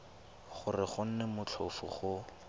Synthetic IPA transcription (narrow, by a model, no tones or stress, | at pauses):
χʊrɪχʊn̩nɛmʊt͡ɬʰʊfʊ̰χʊ